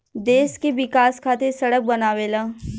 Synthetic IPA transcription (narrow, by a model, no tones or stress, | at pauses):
d̪eːskeʋɪkaːskʰaːt̪esɐɽək̚bɐnaːʋeːlaː